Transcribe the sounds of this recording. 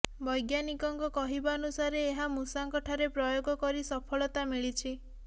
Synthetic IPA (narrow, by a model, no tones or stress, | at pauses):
bɔjɡjanikɔŋkɔkɔɦibaɔnusaɾeːɦamusaŋkɔʈʰaɾepɾɔjoɡɔkɔɾisɔpʰɔɭɔt̪amiɭit͡ʃʰi